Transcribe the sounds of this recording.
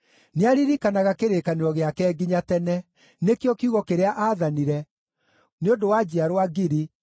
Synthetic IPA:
neaɾiɾikanaɣakeɾeːkaneɾɔɣeakɛːɡiɲatɛnɛ | nekjɔkiuɣɔkeɾeaʔaðaniɾɛ | neodowad͡ʑiaɾowaɡiɾi

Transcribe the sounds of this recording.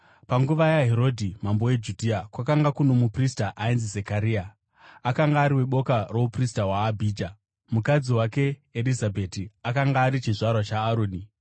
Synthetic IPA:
paŋɡuʋajaɦeɾo̞dʱimambo̞e̞d͡ʒudʱiakwakaŋɡakuno̞mupristaʔainzizekaɾiːa | akaŋɡaːɾiwe̞ɓo̞karo̞upristawaːbʱiːd͡ʒa | mukad͡ziwake̞ːlizabʱe̞tiakaŋɡaːɾit͡ʃiʐarwat͡ʃaːɾoːni

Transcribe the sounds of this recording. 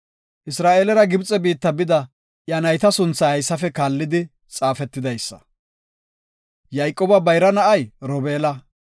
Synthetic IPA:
ʔɪsɾaːʔeːlɛɾɐɡɪbt͡sʼɛbiːt̪ːɐbɪd̪ɐ | ʔjɐnɐjt̪ɐsʊnt͡sːɐhɐjsːɐfɛkaːlːɪd̪ɪ | t͡sʼaːfɛt̪ːɪd̪ɐjsːɐ̥̰ | jɐjkʼːoːbɐbɐjɾɐnɐʔɐjɾɔbeːlɐ

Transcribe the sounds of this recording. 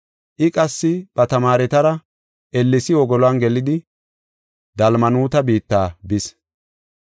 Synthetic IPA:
ʔɪkʼɐsːɪb̥ɐt̪ɐmaːɾɛt̪ɐɾɐ | ʔɛlːɪsɪwɔɡɔlɔɐnɡɛlɪd̪ɪ | d̪ɐlmɐnuːt̪ɐbiːt̪ːaːbɪs

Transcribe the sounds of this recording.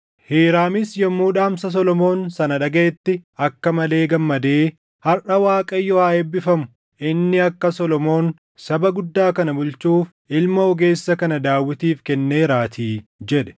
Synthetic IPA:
heːɾaːmɪsjɐmːuːᶑaːmsɐs̬ɔlɔmo̞ːnsɐnɐᶑɐɡeɛt̪ːɪɐkːɐmɐle̞ːɡɐmːɐd̪e̞ː | hɐrʔɐwaːkʼɐjːɔhaːebːɪfɐmʊ̥ | ʔɪnːɪɐkːɐsɔlɔmo̞ːn | sɐbɐɡʊd̪ːaːkɐnɐbʊlt͡ʃuːf | ʔɪlmɐɔɡe̞ːsːɐkɐnɐd̪aːwːɪt̪iːfkɛnːe̞ːɾaːt̪ʰiːd͡ʒɛᶑɛ̥

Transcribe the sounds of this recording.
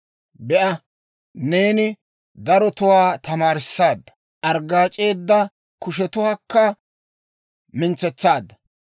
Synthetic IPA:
bɛʔɐ | ne̞ːnɪ | d̪ɐɾɔt̪ʊwaːt̪ɐmaːɾɪsːaːd̪ːɐ | ʔɐɾɡaːt͡ʃʼe̞ːd̪ːɐ | kʊʃ̬ɛt̪ʊhɐkːɐ | mɪnt͡sːɛt͡sːaːd̪ːɐ

